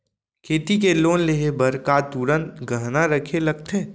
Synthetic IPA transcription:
kʰeːt̪ikeloːnleɦebəɾkat̪uːɾənɡʱəɦnaɾəkʰelɐɡ̚t̪ʰeː

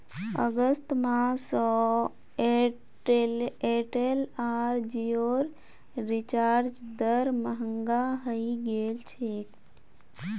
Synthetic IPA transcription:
əɡəst̪mãsɔ | eleʈelaːɾd͡ʒioːɾ | ɾɪt͡ʃaːɾd͡ʒd̪əɾməɦəŋɡaɦəiɡeːlt͡ʃʰeːk

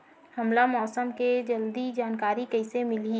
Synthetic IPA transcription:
həmlamɔːsəmked͡ʒəld̪id͡ʒaːnkaːɾikəɪsemɪli

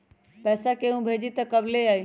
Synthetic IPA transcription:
pɛːsakeũbʱeːd͡ʑit̪ɐkɐbleaːi

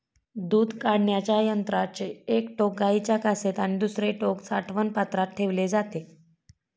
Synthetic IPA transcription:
d̪uːd̪ʱkaɽɳjat͡ɕjajənt̪ɾat͡ɕeekʈok̚ɡait͡ɕjakaset̪aɽ̃id̪usɾeʈoksaʈʰʋənpat̪ɾat̪̚ʈʰeʋled͡zat̪e

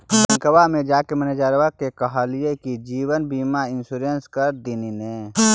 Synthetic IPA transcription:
əŋkəwamẽd͡ʒaːkeməned͡ʒaːɾwakekɐɦaːlijekid͡ʒiːwənbiːmaɪnsuːɾenskəɾd̪inine

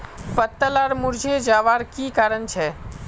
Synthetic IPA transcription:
pət̪ːəlaɾmʊɾd͡ʒʱed͡ʒaːʋaɾkiːkaːɾənt͡ʃʰɛ

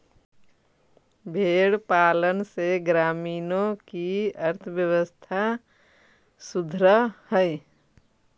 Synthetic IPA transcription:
bʱeɽpalənseɡɾaminokiəɾt̪ʰəbjəwəst̪ʰa | sud̪ʱɾəhəɪ

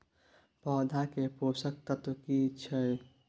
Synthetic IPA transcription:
pɔːd̪ʱakeposək̚t̪ət̪kit͡ʃʰəj

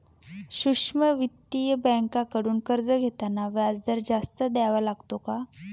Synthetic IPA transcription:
ɕuʂməʋit̪ːijəbɛ̃ŋkakəɽuːnkəɾd͡zəɡʱet̪anaʋjad͡zd̪əɾd͡zast̪əd̪aʋalaɡt̪oka

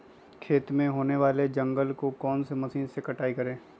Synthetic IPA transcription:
kʰeːt̪mẽɦoːneʋaːled͡ʒɐ̃ŋɡəlkokɔːnsemɐsiːnsekɐʈaːikɐɾẽː

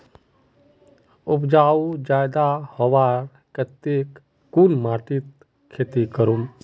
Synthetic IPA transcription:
upd͡ʒaːud͡ʒaːjd̪ahɔʋaɾ | kət̪ek | kunmaːʈ̪it̪ | kʰːeːt̪ikəɾum

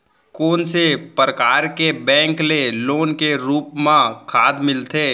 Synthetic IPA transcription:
koːnsepɾəkaːɾkebɛ̃ːŋkleloːnkeɾuːpmãkʰaːd̪mɪlt̪ʰeː

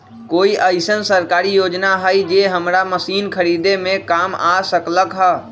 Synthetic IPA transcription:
koːiʔəɪsənsəɾkaːɾijoːd͡ʒnaɦəjd͡ʒeɦəmɾaməsiːnkʰəɾid̪emẽkamasəkləkɦə

